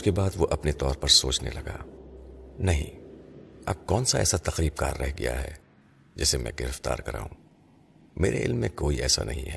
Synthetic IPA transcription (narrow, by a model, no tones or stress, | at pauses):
ʊskebaːd̪ʋoʔɐpnet̪ɔːɾpɐɾsoːt͡ʃnḛlɐɡaː | nɐɦḭ̃ | ɐb̚kɔːnsaɛ̰ːsat̪ɐqɾiːb̚ka̰ːɾːɛɦɡija̰ɦɛ̰ː | d͡ʒɪsemɛ̃ɡɪɾəft̪a̰ːɾkɐɾa̰ːɦũː | meːɾeʔɪlmːẽkoːiɛːsa̰nɐɦĩɦɛː